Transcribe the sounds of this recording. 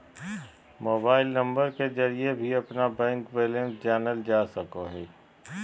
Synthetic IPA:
moːbaːɪlnɐ̃mbəɾked͡ʒɐɾiebʱiɐpnabɛ̃ːŋkʋeːlə̃nsd͡ʒaːnəld͡ʒaːsɐkoɦɛː

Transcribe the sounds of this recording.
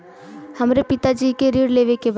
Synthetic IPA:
hɐmɾepɪt̪ad͡ʒiːkeɾiːɽleːʋekeb

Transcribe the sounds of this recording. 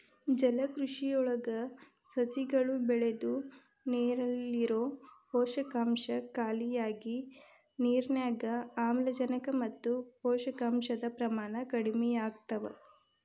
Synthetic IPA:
d͡ʒɐlɐkɾuʂijɔɭɐɡɐ | sɐsiɡɐɭubɛɭed̪u | neːɾɐlːiɾoːpɔːʃɐkaːmʃɐkaːlijaːɡi | niːɾnjaːɡɐaːmlɐd͡ʒɐnɐkɐmɐt̪ːupɔːʃɐkaːmʃɐd̪ɐpɾɐmaːnɐkɐɽimɛjaːɡ̚t̪ɐʋɐ̰

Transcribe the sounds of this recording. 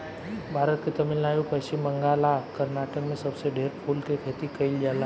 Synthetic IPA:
bʱaɾət̪̚kit̪əmilnajupəjɕiməŋɡalakəɾnaʈəkmẽsəbseɖʱeɾpʰulkekʰet̪iːkəild͡ʒala

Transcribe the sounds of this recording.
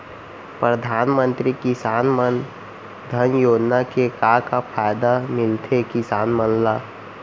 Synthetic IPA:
pɾəd̪ʱaːnmə̃nt̪ɾikɪsaːnmən | d̪ʱənjoːd͡ʒnakekakapʰaːɪd̪amɪlt̪ʰekɪsaːnmənlaː

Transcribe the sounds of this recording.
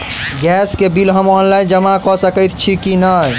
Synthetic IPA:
ɡɛskebilɦəmɔnland͡ʒəmãkɔsəkəjt̪ʰt͡ʃʰikinəj

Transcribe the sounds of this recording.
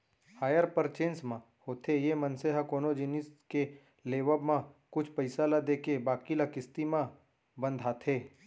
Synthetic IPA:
haːjəɾpəɾt͡ʃẽːnsmã | hoːt̪ʰejemə̃nseɦakoːnod͡ʒɪnɪske | leːʋəbmãkʊt͡ʃʰpəɪsalad̪eːkebaːkilakɪst̪imã | bə̃nd̪ʱɦaːt̪ʰeː

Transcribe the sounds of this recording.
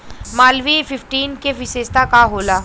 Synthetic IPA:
maːlʋifɪfʈiːnkeʋɪseːst̪akaɦoːlaː

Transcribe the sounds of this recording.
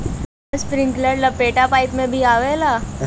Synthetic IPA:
spɾɪ̃ŋkləɖlɐpːeːʈapaːɪpmẽbʱiaːʋelaː

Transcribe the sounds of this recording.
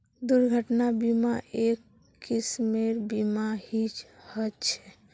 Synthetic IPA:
d̪uɾɡʱəʈnabimaʔekː | ismeɾbimahit͡ʃhət͡ʃʰɛ

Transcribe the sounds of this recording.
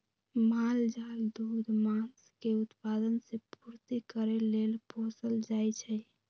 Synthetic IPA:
mald͡ʒald̪ud̪ʱmanskeut̪pad̪ənsepuɾt̪ikəɾelelpõsəld͡ʒajt͡ʃʰɛ

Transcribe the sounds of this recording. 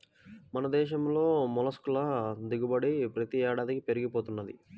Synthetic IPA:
mɐnɐd̪ɛːʃɐmlo̞ːmɔlɐskulɐd̪iɡubɐɽipɾɐt̪iɛːɽaːd̪ikipe̞ɾiɡipoːt̪unːɐd̪ḭ

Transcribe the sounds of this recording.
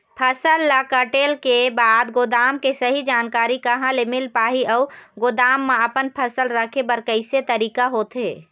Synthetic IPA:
pʰəsəlːakəʈeːlkebaːd̪ɡod̪aːmkesəɦid͡ʒaːnkaːɾikəɦãlemɪlpaːɦiəːɡod̪aːmːeəpənpʰəsəlɾəkʰebəɾkəɪset̪əɾiːkaɦoːt̪ɦeː

